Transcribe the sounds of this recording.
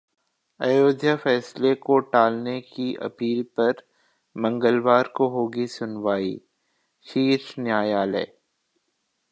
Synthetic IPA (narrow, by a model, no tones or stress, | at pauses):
ɐjoːd̪ʱjəfɛːslekoʈaːlnekiʔɐ̰piːlpɐɾ | mɐ̃ŋɡəlʋaːɾkoɦoːɡisʊnʋaːḭː | ʃiːʃnjaːjaːlɛ̰ː